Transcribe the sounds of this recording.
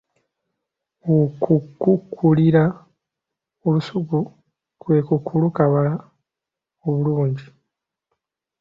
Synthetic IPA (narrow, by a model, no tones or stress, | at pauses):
okukːukʰːuliɾa | olusuku | kwe̞ːkukʰulukaβala | oβuluːɲɟi